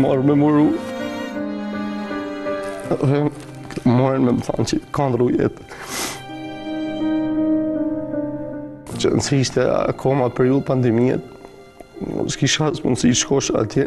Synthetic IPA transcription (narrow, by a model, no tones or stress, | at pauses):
mɔɾmɛmuɾu | ɔɛ | mɔɾɛnmɛmθa̰nt͡ʃit̪kand̪ɾujɛ̰t̪ | t͡ʃə̰nsiiʃt̪ɛ̰kʰɔmapɛɾiuðpand̪ɛmiɛ̰t̪̚ | skiʃasmunsiʃkɔʃa̰t̪ʰjɛ